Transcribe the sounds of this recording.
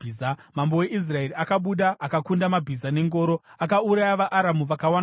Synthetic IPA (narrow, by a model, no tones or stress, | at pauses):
amambo̞we̞ʔis̬rae̞riakaɓuɗaʔːkakundamabʱizane̞ŋɡo̞ːɾoakauɾajaʋaʔːɾamuʋakawana